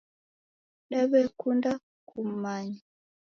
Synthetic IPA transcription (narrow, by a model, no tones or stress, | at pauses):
ɗaβɛkunda | kʰum̩maɲa